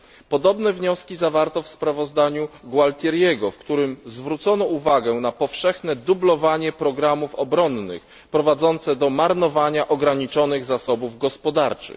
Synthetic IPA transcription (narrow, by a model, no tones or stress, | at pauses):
pɔd̪ɔbnɛvɲɔskʲizavaɾt̪ɔfspɾavɔzd̪aɲuɡwalt̪ʲjɛɾjɛɡɔfkt̪uɾɘmzvɾut̪sɔnɔuvaɡɛnapɔfʂɛxnɛd̪ublɔvaɲɛpɾɔɡɾamufɔbɾɔnːɘ̰x | pɾɔvad̪zɔnt̪sɛd̪ɔmaɾnɔvaɲaʔɔɡɾaɲit͡ʂɔnɘɣzasɔbuvɡɔspɔd̪aɾt͡ʂɘ̰x